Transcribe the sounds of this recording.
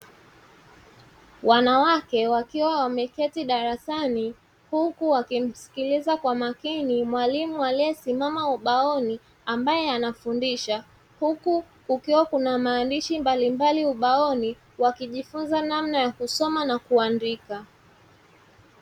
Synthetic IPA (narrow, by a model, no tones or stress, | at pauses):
wanawakɛwakiwawamɛkɛtiɗaɾasani | hukuwakim̩si̥kilizakwamakinimwalimualiɛsimamauɓaɔni | ambajɛanafundiʃa | huku | kukiwakunamaːndiʃimbalimbaliuɓaɔni | wakiʄifunzanamnajakusɔmanakuandika